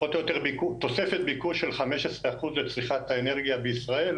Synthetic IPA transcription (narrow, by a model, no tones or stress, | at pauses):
ot̪ojot̪eʁbikut̪o̞sefet̪̚bikuʃelχameʃesʁeaχuzlet͡sʁiχat̪haeneʁɡijabeisʁael